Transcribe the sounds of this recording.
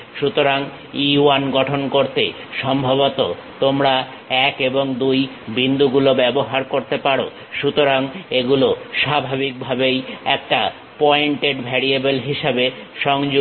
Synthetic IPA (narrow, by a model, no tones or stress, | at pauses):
ʃut̪oɾaŋ | ianɡɔʈʰonkoɾt̪ḛʃɔmbʱaβot̪ot̪omɾa | ɛkeboŋd̪uj | bind̪ʱuɡulobɛboɦaɾkoɾt̪epaɾo̰ | ʃut̪oɾaŋeɡuloʃabʱabik̚bʱabejɛk̚ʈa | pɔeɳʈeɖbʱɛɾiebelɦiʃabeʃɔŋd͡ʑ